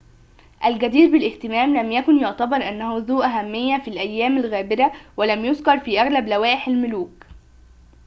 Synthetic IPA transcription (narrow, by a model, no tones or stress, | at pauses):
ʔælɡæd̪iːɾbɪlʔɪht̪ɪmæːmlæmjækʊnjoʕt̪æbɑɾˤʔænːæhuzuːʔæɦæmːɪjːæfilʔæjːæːmælɣæːbɪɾæwælæmjʊzkɑɾˤfiːʔæɣlæblæwæːʔɪħalmʊluːk